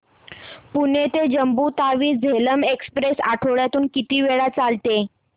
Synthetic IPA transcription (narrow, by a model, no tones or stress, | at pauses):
punet̪ed͡ʑəmbut̪aʋiːd͡zʱeləmekspɾesa̰ʈʰoɭjat̪uːnkit̪iːʋeɭat͡salt̪e